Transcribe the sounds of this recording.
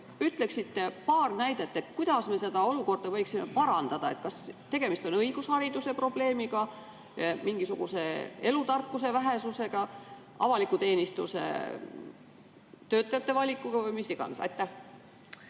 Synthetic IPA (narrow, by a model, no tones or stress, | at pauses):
yt̪ːˑle̞ksit̪ːe̞pɑːrnæjd̪̥e̞t̪ːˑet̪kujd̪̥ɑsmese̞d̪̥ɑo̞luko̞rd̪̥ɑvɤjksime̞̰pɑɾɑnd̪̥ɑd̪̥ɑe̞t̪̚kɑst̪e̞ɡ̥e̞mist̪o̞nɤiɡ̥ushɑɾid̪̥use̞pro̞b̥le̞ːmiɡ̥ɑ | miŋɡ̥isuɡ̥use̞e̞lut̪ɑrkːuse̞væɦe̞suse̞ɡ̥ɑ | ɑ̰vɑlikut̪e̞ːnist̪usḛ | t̪ø̞ːt̪ːˑɑjɑt̪ːe̞vɑlʲikːˑuɡ̥ɑvɤjmisːiɡ̥ɑ̰nesɑ̰jt̪ːæh